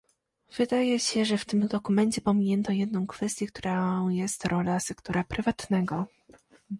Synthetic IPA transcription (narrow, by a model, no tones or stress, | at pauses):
v̥ɘd̪ajɛɕɛʐɛft̪ɘmd̪ɔkumɛɲt͡ɕɛpɔmʲiɲɛnt̪ɔjɛd̪̚nɔ̃w̃kfɛst̪ʲjɛkt̪uɾajɛst̪ɾʔɔlasɛkt̪ɔɾapɾʔɘvat̪nɛɡɔ